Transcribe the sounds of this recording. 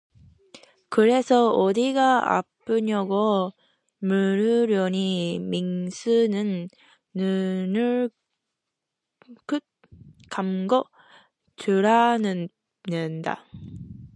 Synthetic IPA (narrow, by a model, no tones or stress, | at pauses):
kɯɾe̞sʰʌʌdiɡaa̰p͈ɯɲʌɡo | mɯɾɯɾjʌɲimiŋsʰɯnɯnː | ɯnɯɭ | kɯt̚ | kamɡʌ | t͡ɕuɾanɯ | nɯnda̰